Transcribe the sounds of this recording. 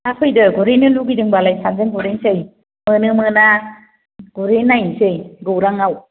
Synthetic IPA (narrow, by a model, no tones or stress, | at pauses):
akʰɯjdɯɡɔɾenɯluɡidɯŋbalajsanzɯŋɡuɾensɯj | mɯnɯmɯna | ɡuɾenajsɯjɡɯwɾaŋaw